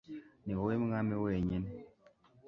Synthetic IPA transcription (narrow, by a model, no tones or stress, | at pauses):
niwowemuŋamewoeɲɛn